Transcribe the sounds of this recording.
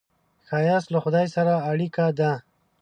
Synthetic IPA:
xajaslaxʊd̪ɑjsaɾaːɽikad̪a

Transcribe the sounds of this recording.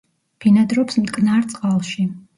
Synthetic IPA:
pʰinad̪ɾɔpsmd̪kʼnaɾt̪sʼqʼalˠʃi

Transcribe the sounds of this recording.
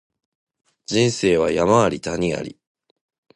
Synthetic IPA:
d͡ʑĩɰ̃se̞ːβajamaβaɾʲit̪aɲ̟ia̰ɾʲḭ

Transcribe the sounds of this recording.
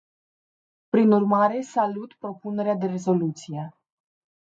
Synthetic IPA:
pɾinurmaɾe̞salut̪pɾo̞pune̞ɾead̪e̞re̞zo̞lut̪sije̞

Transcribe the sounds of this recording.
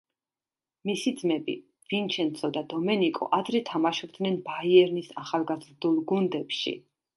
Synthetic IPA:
misid̪zmɛbḭ | vint͡ʃʰɛnt̪sʰɔd̪ad̪ɔmɛnikʼɔ̰ʔad̪ɾɛt̪ʰamaʃɔb̚d̪nɛnbaiɛɾnisaχalˠɡazɾd̪ulˠɡund̪ɛpʃḭ

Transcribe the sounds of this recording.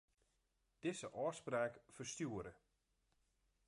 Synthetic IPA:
d̥ɪzəʔɔːspraːkfərstjuəɾə

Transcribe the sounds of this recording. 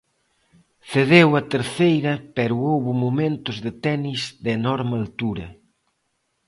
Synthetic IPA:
θeðewɐt̪eɾθejɾɐpɛɾʊowβʊmomẽnt̪ʊzðɪt̪ɛnizd̪enɔɾmɪalt̪uɾɐ

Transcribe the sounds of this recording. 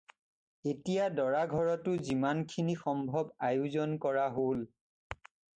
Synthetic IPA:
etijadɔɹaɡʱɔɹɔtʊzimankʰinixɔmbʱɔbajuzɔnkɔɹaɦol

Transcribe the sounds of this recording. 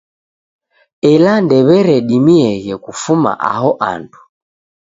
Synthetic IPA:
ɛlandɛβɛɾɛɗimiɛɣɛkufuma̰ʔa̰ɦɔʔa̰ntʰu̥

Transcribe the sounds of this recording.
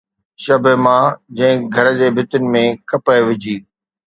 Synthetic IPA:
ʃɐbʱəmãd͡ʑɐ̃ɦɪ̃ɡʱɐɾəd͡ʑeːbʱɪt̪ʊnɪ̆mẽkɐpəʋɪd͡ʑiː

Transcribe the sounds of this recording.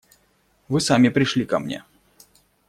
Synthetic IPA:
vɨsamʲɪpɾʲɪʂlʲikɐmnʲḛ

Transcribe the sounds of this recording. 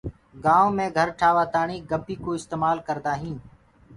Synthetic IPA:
ɡaːõːmẽːɡʱəɾʈʰaːʋaːt̪aːɳiːɡəmpiːkoːɪst̪eːmaːlkəɾd̪aːɦĩːn

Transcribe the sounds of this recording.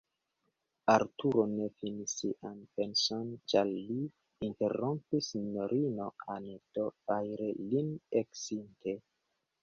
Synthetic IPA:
aɾtuɾonefinisiʔanpensont͡ʃaɾliː | nteɾompisinoɾinoanedovajɾelineksintʰe

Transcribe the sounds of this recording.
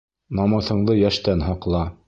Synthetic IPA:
nɑmɤ̆θɤ̆ɴðɤjæʃt̪ænɦɑqlˠɑ

